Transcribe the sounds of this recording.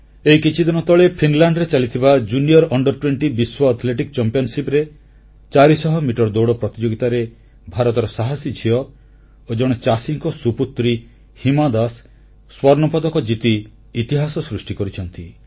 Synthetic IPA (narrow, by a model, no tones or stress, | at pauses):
eikit͡ʃʰid̪inɔt̪ɔɭepʰinlaɳɖɾet͡ʃalit̪ʰibad͡ʒuniɔɾɔɳɖɔɾʈweɳʈibiswɔːt̪ʰleʈikt͡ʃɔmpijɔnsipɾe | t͡ʃaɾisɔɦɔmiʈɔɾd̪owɽɔpɾɔt̪id͡ʒoɡit̪aɾe | bʱaɾɔt̪ɔɾɔsaɦasid͡ʒʱiɔ | od͡ʒɔɽ̃ɔt͡ʃasiŋkɔsuput̪ːɾi | himad̪asː | wɔɾnɔpɔd̪ɔkɔd͡ʒit̪iː | t̪iɦasɔsɾusʈikɔɾit͡ʃʰɔnt̪i